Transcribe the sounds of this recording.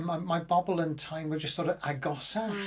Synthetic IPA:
maɪmaɪbɔbl̩ˠə̃ntʰãɪ̃mwəd͡ʒʌstθɔɾəaɡɔsa

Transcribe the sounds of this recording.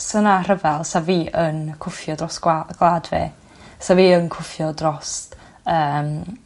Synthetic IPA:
sənar̥əvɛlˠsaviːʔənkʰʊfjɔdrɔsɡ̥lˠadvḛː | saviːənkʰʊfjɔdrɔst | əːm

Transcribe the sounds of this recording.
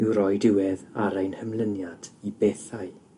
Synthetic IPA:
ɪwɾɔjdɪwɛðaɾejnhəmlˠənjad̥ibeːθaɨ

